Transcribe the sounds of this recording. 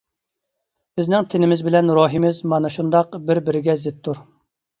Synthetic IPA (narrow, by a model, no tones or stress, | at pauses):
b̥ɪznɪŋt̪ʰɪnɪmɪzbɪlɛnɾoːɦimɪzmɑnɨʃund̪ɑqbɪɾbɪɾɪɡʲɛzɪt̪ʰːuɾ